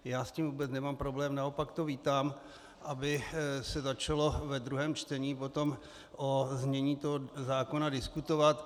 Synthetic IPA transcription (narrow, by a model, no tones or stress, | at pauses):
jaːsciːmvuːbɛt͡snɛmaːmpɾo̞blɛːmnao̞pakt̪o̞viːt̪aːm | ʔabɪsɛzat͡ʃalo̞vɛd̪ɾuɦɛːmt͡ʃt̪ɛɲiːpo̞t̪o̞m | ʔozmɲɛɲiːt̪oɦozaːko̞nadɪskut̪o̞vat̪